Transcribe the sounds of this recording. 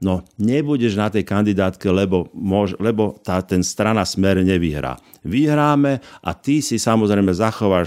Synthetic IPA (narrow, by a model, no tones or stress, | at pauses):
nɔɲɛbuɟɛʒnat̪ɛjkand̪id̪aːt̪kɛlɛbɔmʊɔʒlɛbɔt̪aːt̪ɛnst̪ɾanasmɛɾɲɛʋiɦɾa̰ː | ʋiɦɾaːmɛʔa̰t̪isisamɔzɾɛjmɛzaxɔʋaːʃ